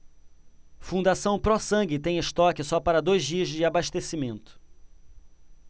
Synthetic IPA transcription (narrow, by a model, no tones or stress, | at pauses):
fũnd̪asɐ̃w̃pɾɔsɐ̃ɡɪt̪ẽj̃ɪst̪ɔkɪsɔpaɾɐd̪ojzd͡ʒiɐzd͡ʒɪabaʃt̪esimẽnt̪ʊ̥